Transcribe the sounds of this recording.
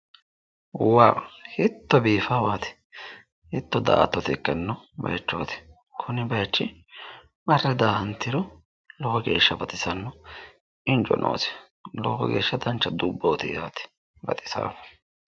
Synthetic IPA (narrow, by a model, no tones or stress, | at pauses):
waːhɪt̪ːɔbiːfaːwaːt̪ɪ̥ | hɪt̪ːɔd̪a̰ːt̪ːɔt̪ɪkːɐnːɔ | bɐ̰jɐt͡ʃːoːt̪ɪ̥ | kʰʊnɪbɐjɐt͡ʃːɪ | mɐrːɛd̪aːɐnt̪ːɪɾɔ | lɔhɔɡe̞̰ːʃːɐbɐt̪ʼɪsɐnːɔ | ɪnt͡ʃʼɔ̰nʔo̰ːsɪ̥ | lɔ̰ːhɔ̰ɡḛːʃːɐd̪ɐnt͡ʃːɐd̪ubːoːt̪ɪjaːt̪ɪ̥ | bɐ̰t̪ʼɪ̥sa̰ːkɔ̥